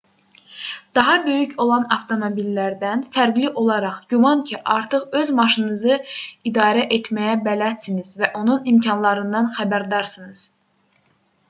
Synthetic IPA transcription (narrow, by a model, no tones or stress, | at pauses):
d̪̥ɑɦɑbø̞jycʰo̞lˠɑnɑft̪ʰo̞mo̞bilːæɾd̪ænfæɾɡliʔo̞lˠɑɾɑχɟuvɑncʰiʔɑ̰ɾt̪ʰɯχø̞zmɑʃɯnnɯzɯid̪ɑːɾæʔet̪ʰmæjæbælæt̪sinizvæʔo̞nunimcʰɑnlˠɑɾɯnd̪ɑnxæbæɾd̪ɑɾsɯnɯz̥